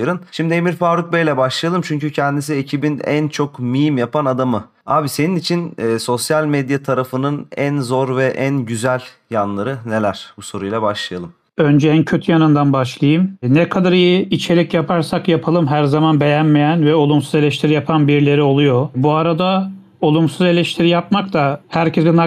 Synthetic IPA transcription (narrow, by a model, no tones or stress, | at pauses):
ɾˠɯnʃimd̪iemiɾfaːɾuk̚bejlʲɛbaʃlˠajalˠɯmt͡ʃʰyɲcycʰɛnd̪is̬iecʰibinæ̰nt͡ʃʰo̞kmijimjapanad̪amɯ | aːbise̞ninit͡ʃʰinːso̞sjalʲmed̪jat̪ʰaɾafɯnɯnænzo̞ɾvɛʔænɟyzælʲ | janlˠaɾɯne̞lʲæɾ̥buso̞ɾujlˠabaʃlˠajalˠɯm | ø̞nd͡ʒɛæncʰø̞t̪ʰyjanɯnd̪anbaʃlˠajɯmnɛkʰad̪aɾijiit͡ʃʰe̞lʲicjapʰaɾsakjapʰalˠɯmɦæɾzamanbe̞jænmejænvɛo̞lˠumsuze̞lʲɛʃt̪ʰiɾijapʰanbiɾlʲe̞ɾio̞lˠujo̞buaɾad̪a | o̞lˠumsuze̞lʲɛʃt̪ʰiɾijapmakt̪ʰahæɾcʰezina